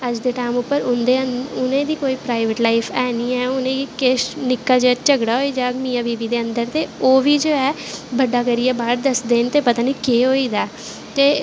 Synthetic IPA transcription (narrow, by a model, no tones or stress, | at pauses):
əd͡ʒd̪eːʈaːmʊpːəɾʊnd̪eːəʊnẽːd̪iːkoːiːpɾaːɪʋəʈlaɪpʰɛːniːɛːʊnẽːkeʃnɪkːaːd͡ʒat͡ʃəɡɽaːɦoːiːd͡ʒaːɡmĩːãːbiːbiːd̪eːənd̪əɾt̪eːoːʋiːd͡ʒoːɛː | bəɖaːkəɾijaːbaːɾd̪əsd̪eːnt̪eːpət̪aːniːkeːɦoːiːd̪aː | t̪eː